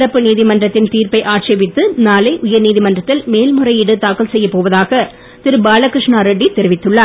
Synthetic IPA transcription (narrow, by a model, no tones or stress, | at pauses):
ɾɐpːɯniːðɪmɐndrɐt̪ːɪnt̪iːɾpɐɪʔaːʈʂɐʋɪt̪ːɯnaːlɐɪʔʊjɐɾniːðɪmɐndrɐt̪ːɪlmeːlmɯrɐɪɪɽɯt̪aːkɐlsɛjːɐpoːʋɐðaːɣɐ | t̪ɪɾɯbaːlɐkɾɪʂɳaːɾɛɖːit̪ɛɾɪʋɪt̪ːɯɭːɐː